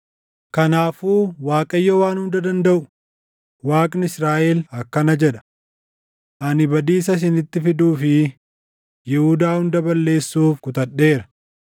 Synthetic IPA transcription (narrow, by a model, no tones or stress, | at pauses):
kɐnaːfuːwaːkʼɐjːɔwaːnhʊnd̪ɐd̪ɐnd̪ɐʔʊ | waːkʼnɪsɾaːʔelɐkːɐnɐd͡ʒɛᶑɐ̥ | ʔɐnɪbɐd̪iːs̬ɐs̬ɪnɪt̪ːɪfɪd̪uːfɪ | jɛhʊd̪aːhʊnd̪ɐbɐlːe̞ːsːuːfkʊt̪ɐɗːe̞ːɾɐ̥